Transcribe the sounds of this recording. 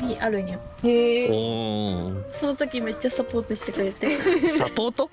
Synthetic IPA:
iʔaɾɯ̟̃ɲahe | so̞not̪o̞kʲime̞t͡ɕːasapo̞ːt̪oɕi̥t̪ekɯ̟ɾe̞t̪e̞sapoːt̪o

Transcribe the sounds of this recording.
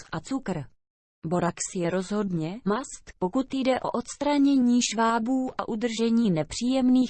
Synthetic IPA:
ʔat͡sukr̩ | bo̞ɾaksjɛɾo̞zɦo̞dɲɛmast̪po̞kut̪jdɛʔo̞̰ʔo̞t̪st̪ɾaɲɛɲiːʃvaːbuːʔa̰ʔud̪r̩ʒɛɲiːnɛpr̝̥iːjɛmniː

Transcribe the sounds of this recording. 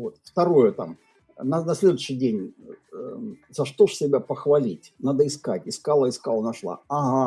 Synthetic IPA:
vo̞t̪ft̪ɐɾo̞jʊt̪a̰m | nɐnɐsʲlʲe̞d̪ʊɕːɪjdʲenʲ | z̥ɐʂt̪oʂsʲɪbʲapəxvɐlʲitʲnad̪əɪskatʲɪskalˠəɪskalˠənɐʂlˠa̰ɐɦa

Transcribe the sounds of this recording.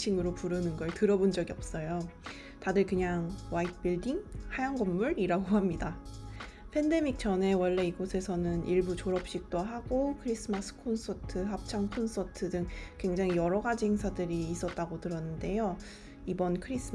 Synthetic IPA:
t͡ɕʰiŋɯɾopuɾɯnɯnɡʌɭtɯɾʌbond͡ʑʌɡiʌp̚s͈ʌjo | tadɯɭkɯɲaŋwait̚ʰp͈iɭdiŋhajaŋɡʌmːuɾiɾaɡohamɲida | pʰe̞nde̞mik̚t͡ɕ͈ʌne̞wʌɭːe̞iɡosʰe̞sʰʌnɯniɭbut͡ɕoɾʌp̚ɕ͈ik̚t͈oɦaɡokʰɯɾis͈ɯmas͈ʰɯ̥kʰonsʰʌtʰɯɦap̚t͡ɕʰaŋkʰons͈ʰʌtʰɯdɯŋkwe̞ŋd͡ʑaŋijʌɾʌɡad͡ʑihe̞ŋsʰadɯɾiːs͈ʌt̚t͈aɡotɯɾʌnːɯnde̞jo | ibʌnkʰɯɾisʰ

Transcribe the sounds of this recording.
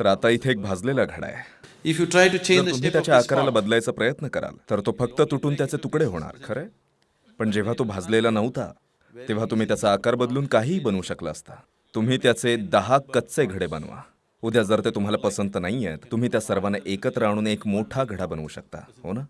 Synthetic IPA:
t̪əɾat̪ait̪ʰeːk̚bʱad͡zlelaɡʱəɽa̰jḛifjuʈɾajʈut͡ʃẽɾnum̤iːt̪jat͡ɕjaːkaɾalabəd̪lajt͡sapɾəjət̪nəkəɾa̰lt̪əɾt̪ofək̚t̪ət̪uʈʰuːnt̪jat͡set̪ukɽeɦoɽ̃a̰ɾkʰəɾe | pəɳd͡ʑeʋ̤at̪obʱad͡zlelanəʋt̪a̰ | t̪eʋ̤at̪um̤iːt̪jat͡saːkaɾbəd̪luːnkaɦiːbənuːɕəklaːst̪a | t̪um̤iːt̪jat͡sed̪əɦakːət̪t͡seɡʱəɽebə̰nʋa̰ | ud̪jad͡zəɾt̪et̪um̤alapəsənt̪naɦijḛt̪ːum̤iːt̪jasəɾʋaneʔekət̪ɾəaɽ̃uːnekmoʈʰaɡʱəɽabənṵːɕək̚t̪a̰ɦo̰nə

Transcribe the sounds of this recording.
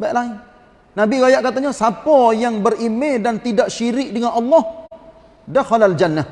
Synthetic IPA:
baʔlaɪn | nabiɡajaʔkat̪aɲasapɔjaŋbərimedant̪idaʔʃiɾɪk̚dəŋanɑlːɑh | daxɔlald͡ʒanːa

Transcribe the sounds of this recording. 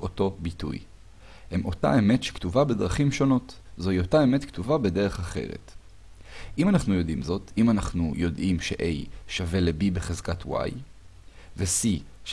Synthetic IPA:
o̞to̞bitṵj | hemʔo̞ta̰e̞metʃe̥ktuvabedʁaχimʃo̞no̞tzoiotae̞metktuvabe̞de̞ʁ̞eχaχe̞̰ʁḛt | ʔimanaχnujo̞dimzo̞timanaχnujo̞dʔimʃe̞̰ʔejʃave̞lebibeχezkatwa̰j | vesi

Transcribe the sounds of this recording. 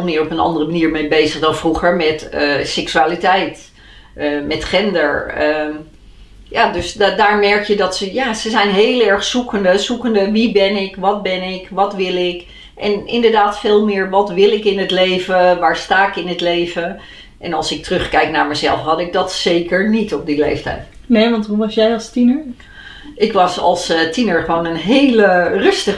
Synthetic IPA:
lˠmɪəɹɔpənɑ̰ndərəmaniːɹmebejzəχdɑnfruχəɹmɛtəsɛksyaːlitɛjt | mɛtχɛndəɹə | jaːdøsdaːɹmɛɹkjədɔtsəjaːsəzɛjnɦeːlˠɛɹχsukəndəzukəndəʋibɪnɪkʋɔt̚bɪnɪkʋɔtʋɪlˠɪk | ʔɛnɪ̰ndəɹdaːtfeːlˠmɪːɹʋɔtʋɪlˠɪkɪnətleːvəʋaːɹstaːkɪnətleːvə | ʔɛnɑlˠsɪk̚tərøxkɛjknaːɹmɛzɛ̰lˠfɦɑdɪɡ̚dɔtseːkəɹnitɔp̚dileːftɛ̰jt | neːʋɑ̃ntɦuʋɑsjɛjɑlˠstinəɹ | ʔɪkʋɑsɑ̰lˠstʰinəɹχəʋoːnənɦeːlərøstə

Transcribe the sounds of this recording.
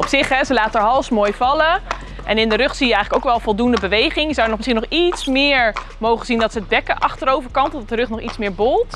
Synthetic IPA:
ɔpsɪχɦɛzəlaːtəəɦɑlˠsmoːjvɑlə | ʔɛnɪndəɾʏχsijəɛjχələkowkʋɛlˠfɔlˠdundəbəʋejχɪŋjəzawənɔχmɪsχinɔχitsmɪːɹ | mowχəzindɑtsəəd̚bɛkəʔɑχtəɾowvəɹkɑntɔdɑtdərɵχnɔχitsmɪːɹbolˠt

